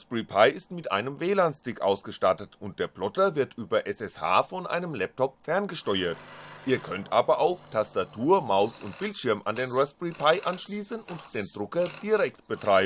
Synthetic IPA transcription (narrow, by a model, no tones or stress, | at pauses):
sbʁipʰaɪɪstmɪtʔa̰ɪnəmveːlaːnstɪkʔa̰ʊsɡ̥əʃtatətʊnt̚d̥eːɐplɔtɐvɪɐtʔyːbɐʔɛsɛsha̰ːfɔnʔa̰ɪnəmlɛp̚tʰɔpfɛɐnɡəʃtɔʏɐtʔiːɐkʰœntʔaːbɐʔaʊxtʰastatʰuːɐmaʊsʊntb̥ɪltʃɪɐma̰ndeːnʁɔsb̥ʁipʰaɪʔanʃliːsənʊntd̥eːndʁʊkɐd̥iːʁɛktb̥ətʁ̥aɪbən